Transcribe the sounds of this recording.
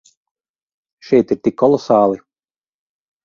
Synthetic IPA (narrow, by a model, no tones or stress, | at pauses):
ʃɛjt̪iɾt̪ikʰːɔlˠɔsaːlˠi